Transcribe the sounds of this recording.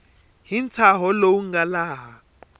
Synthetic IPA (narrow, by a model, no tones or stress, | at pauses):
ɦint͡sʰaɦɔlowuŋɡalaːɦa